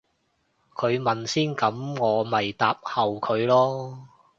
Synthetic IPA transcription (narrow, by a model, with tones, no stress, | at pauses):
kʰɵ˨˧ɥmɐ˨nsiː˥nkɐ˨˥mŋɔː˨˧mɐ˨jt̪aː˨p̚hɐ˨wkʰɵ˨˧ɥlɔː˥